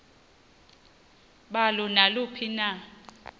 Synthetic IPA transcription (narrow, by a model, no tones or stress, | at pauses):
ɓalɔnalupʰina